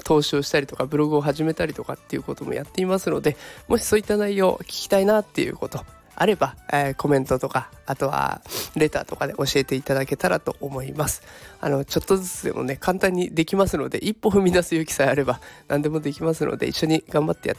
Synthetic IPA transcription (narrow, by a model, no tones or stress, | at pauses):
t̪ʰo̞ːɕioːɕi̥t̪aɾʲit̪o̞kabɯ̟ɾo̞ɡɯ̟o̞ɦaʑime̞t̪aɾʲit̪o̞kat̪ːe̞iɯ̟ko̞t̪o̞mo̞̰jat̪ːe̞imasɨno̞d̪e̞mʔo̞ɕi̥so̞ːit̪ːanaijo̞ːkʲi̥kʲi̥t̪ainat̪ːe̞jɯ̟̰ko̞t̪o̞ | a̰ɾe̞bako̞mẽ̞nt̪o̞t̪o̞kaːt̪o̞βa̰ɾe̞t̪a̰ːt̪o̞kad̪e̞ʔo̞ɕie̞t̪e̞it̪ad̪ake̞t̪aɾat̪o̞̰ʔomo̞imasɨ̥a̰no̞t͡ɕo̞t̪ːo̞zɨt͡sɨd̪e̞̰mo̞̰ne̞kʰãnt̪ãɲ̟ːid̪e̞kʲimasɨno̞d̪e̞̰ʔipːo̞ɸɯ̟mʲid̪asɨjokʲi̥saaɾe̞banʔãnd̪e̞mo̞d̪e̞kʲimasɨno̰d̪e̞ḭɕːo̞ɲ̟iɡãmbat̪ːe̞ja̰t̪ː